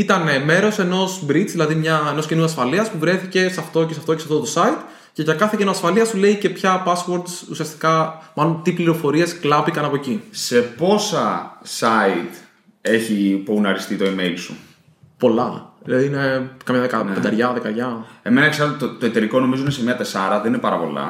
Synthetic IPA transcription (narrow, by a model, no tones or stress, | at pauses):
it̪ɐneme̞ɾo̞se̞no̞sbɾit͡szðilɐðimɲɐeno̞scinuɐsfɐliɐspuvɾe̞fice̞sɐft̪o̞cesɐft̪o̞ceɐft̪ot̪o̞sɐit̪ | ce̞ʝɐkɐθecinoɐsfɐliɐsule̞ice̞pçɐpɐswo̞ɾd̪sṵsiɐst̪i̥kɐmɐnont̪ipliɾo̞fo̞ɾie̞sklɐpikɐnɐpo̞cise̞po̞sɐsɐit̪ | e̞çipounɐɾist̪it̪o̞imelsṵ | po̞lɐlɐðiinekɐmɲɐðekɐped̪ɐɾʝɐðekɐɾʝɐe̞menɐekseɾɐt̪ot̪o̞et̪e̞ɾiko̞no̞mizo̞inesemiɐt̪e̞sɐɾɐðeninepɐɾɐpo̞̰lɐ̰